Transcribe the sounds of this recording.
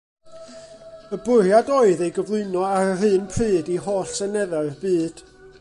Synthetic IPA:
əbʊrjadoːɨðejɡəvlˠʊnɔaɾərɨːnpʰrɨːdiɦoːɬsənɛðaɨrbɨːd̥

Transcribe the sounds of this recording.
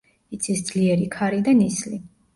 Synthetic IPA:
it̪sʰisd̪z̥liɛɾikʰaɾid̪anisli

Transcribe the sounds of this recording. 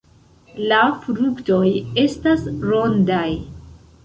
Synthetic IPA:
lafɾukto̞je̞stasɾo̞ndaj

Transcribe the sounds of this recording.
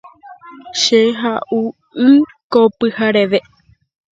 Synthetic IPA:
ʃeɦaʔu | ɨ | kopɨhaɾeʋe

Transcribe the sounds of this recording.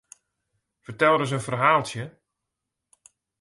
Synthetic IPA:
fərtɛlˠdəs̬ənfərɦaːlˠsjə

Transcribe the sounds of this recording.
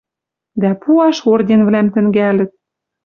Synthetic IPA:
d̪æpuɑʃord̪ʲenvlæmt̪ɘ̆ŋɡælɘ̆t̪̚

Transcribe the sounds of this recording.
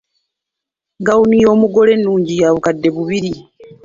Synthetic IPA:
ɡawunijo̞ːmuɡo̞le̞nːuːɲɟijaːβukadːe̞βuβiɾi

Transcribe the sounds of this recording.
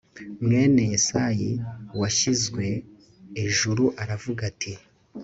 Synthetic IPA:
mŋe̞ːne̞jisajiwaʃizɡwe̞ː | ʒuɾuʔaɾavuɡatʰi

